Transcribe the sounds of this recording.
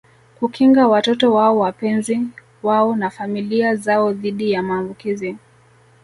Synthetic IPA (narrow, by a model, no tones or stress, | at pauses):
kukiŋɡawatɔtɔwaɔwapɛnzi | waɔnafamiliazaɔðiɗijamaːmbukizi